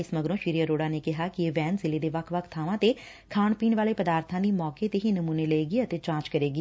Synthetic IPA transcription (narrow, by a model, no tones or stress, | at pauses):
ɪsməɡɾõːʃiːɾijəɾoːɽaːneːkɪɦaːkɪeːʋɛːnzɪleːd̪eːʋəkʰʋəkʰt̪ʰaːʋãːt̪eː | kʰaːɳpiːnʋaːleːpəd̪aːɾt̪ʰãːd̪iːmɔːkeːt̪eɦiːnəmuːneːləeːɡiːət̪eːt͡ʃãːt͡ʃkəɾeːɡiː